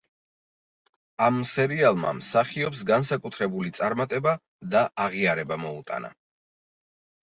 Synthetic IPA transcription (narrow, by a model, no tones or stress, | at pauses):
amːsɛɾialˠma̰msaχiɔps̬ɡansakʼut̪ʰɾɛbulit̪sʼaɾmat̪ʼɛba | d̪aaʁiaɾɛbamɔut̪ʼa̰na̰